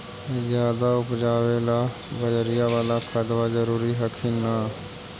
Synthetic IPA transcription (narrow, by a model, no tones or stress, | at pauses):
zjaːd̪aʊpd͡ʒaːʋeːla | bəd͡ʒɾijaʋaːlakʰəd̪ʋazəɾuːɾiɦɐkʰina